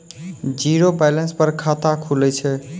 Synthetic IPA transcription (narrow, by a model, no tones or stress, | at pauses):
d͡ʒiɾopɛlenspəɾkʰat̪akʰulɛt͡ʃʰɛ